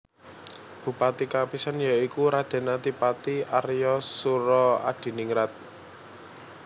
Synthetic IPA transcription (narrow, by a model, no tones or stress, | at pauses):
b̥ṳpat̪ikapisanjaikuɾad̪̥e̤nat̪ipat̪iʔaɾjɔsuɾɔa̰ɖ̥i̤niŋɾat̪̚